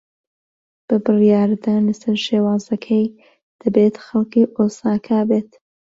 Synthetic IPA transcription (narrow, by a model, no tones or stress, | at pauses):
b̥ɨbɨrijaːɾd̪aːlɐsɐɾʃeːwaːzɐkʰɐj | d̪̥ɐbeːt̪xɐlˠkiːʔoːsaːkʰabeːt̪